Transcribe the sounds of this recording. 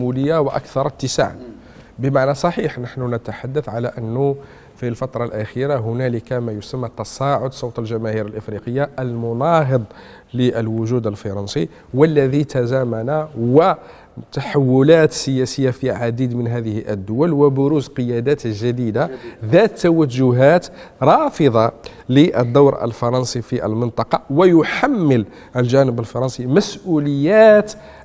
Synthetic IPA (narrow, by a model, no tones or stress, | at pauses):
muləjːawəʔæ̰kθɑɾˤət̪ːəsa̰ʕn | bəmaʕnæsˤɑħiħnəħnunət̪aħad̪ːəθʕalæʔənːʊ | filfɑt̪ɾˤɑlʔæxiɾaɦʊnæləkamæjʊsəmːæt̪ːɑsˤɑʕʊd̪sˤowt̪ˤəlʒæmæhiɾəlʔəfɾiqəjːaʔəlmʊnɑɦəd̪ˤ | ləʔəlwʊʒud̪əlfɑɾˤɑnsi | wəlːæðit̪æzæmænawə | t̪aħawːʊlæt̪səjæsəjːafəiːaʕad̪id̪mənɦæðəhʔə̰d̪ːʊwəlwəbʊɾuzqəjæd̪æt̪ʒæd̪id̪aðæt̪ːæwæʒʊɦæt̪ɾˤɑfəd̪ˤɑ | liʔə̰d̪ːawɾʔə̰lfɑɾˤɑnsˤifiʔə̰lmənt̪ˤɑqɑwəjʊħamːəl | ʔəlʒænəbəlfɑɾˤɑnsˤimæsʔuləjːæt̪